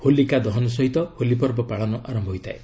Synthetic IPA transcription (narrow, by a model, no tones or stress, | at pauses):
holikad̪ɔɦɔnɔs̬ɔɦit̪ɔholipɔɾbɔpaɭɔnɔʔaɾɔmbʱɔɦojt̪ʰae